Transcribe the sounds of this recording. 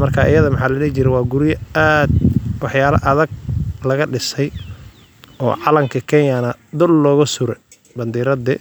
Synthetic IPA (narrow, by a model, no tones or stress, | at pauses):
mɐrkʰaʔɪ̰jɐðɐmɐħaːlɐlɛːt͡ʃɪɾɛwɑːɡʊɾɪjɐad̪wɑħjaːlɐ̰ʔɐðɐɡ̚lɐɣɐɖɪsɛj | ɔ̰ːʕɑlɐŋkʰɐkʰɛnjanɐd̪ʊlːɔːɣʊsʊɾɛ | bɐnd̪iːɾɐd̪ɛ